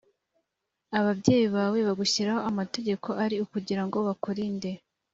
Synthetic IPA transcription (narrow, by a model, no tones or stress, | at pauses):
aβabɟe̞ːjiβaːwe̞βaɡuçiɾaho̞amate̞ɟe̞kʰo̞ʔaɾiukuɟiɾaŋɡo̞βakoɾinde̞